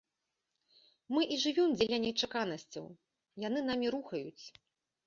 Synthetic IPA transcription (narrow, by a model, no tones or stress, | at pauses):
mɨʔiʐɨvʲimd͡zʲɛlʲanʲɛt͡ʂakanɐsʲt͡sʲɐ̰w | jan̪ɨn̪amʲiɾuxɐjut͡sʲ